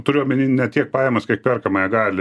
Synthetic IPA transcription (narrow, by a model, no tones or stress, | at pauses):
t̪ʊɾʲɪjoːmʲɪnʲinʲɛt̪ʲiɛk̚pɑːjɛmɐskɐɪk̚pʲɛrkɐmɐjɛɡɑːlʲɪ